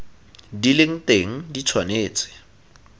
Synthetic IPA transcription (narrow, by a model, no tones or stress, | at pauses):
dileŋ̩teŋ̩dit͡sʰwaneːt͡sʼɪ̥